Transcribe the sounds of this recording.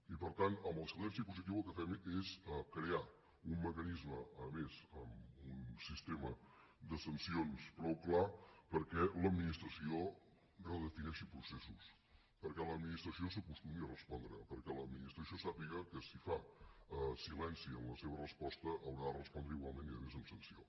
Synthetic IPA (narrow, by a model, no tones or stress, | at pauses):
ipəɾt̪anəmbəlˠsilɛnsipuzit̪̬iwəlˠkəfɛmesəkɾea | umːəkənizməəmezəmunsist̪emə | d̪əsənsionspɾɔwklapəɾkɛləd̪minist̪ɾəsio | rəðəfinɛʃipɾusesus | pəɾkɛləd̪minist̪ɾəsiosəkust̪umiərəspɔnd̪ɾəpəɾkɛləd̪minist̪ɾəsiosapiɣəkəsifa | silɛnsiənləseβ̞ərəspɔst̪əʔəlɣaðərəspɔnd̪ɾəiɣwalˠmeniðəmezəmsənsio